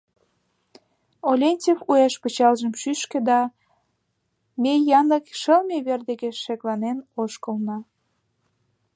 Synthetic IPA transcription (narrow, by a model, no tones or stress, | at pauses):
olʲenʲtʲefueʃpət͡ɕɑlʒəmʃyʃkĕd̪ɑ | mejɑnəkʃəlmeβerd̪eɣeʃeklɑnenoʃkə̆lnɑ